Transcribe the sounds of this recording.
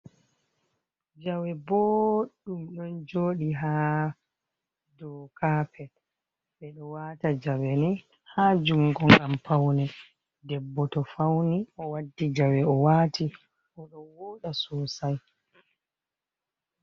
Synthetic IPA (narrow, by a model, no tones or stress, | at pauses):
d͡ʒawɛbɔːɗumɗɔnd͡ʒoːɗiɦa | dɔkapʰɛ | ɓɛɗɔwaːtad͡ʒawɛnɛ | haːd͡ʒuŋɡɔŋɡampawnɛ | dɛbːɔtɔfawniʔɔwadːid͡ʒawɛɔwaːtʰi | ʔɔɗɔnwɔːɗasusaj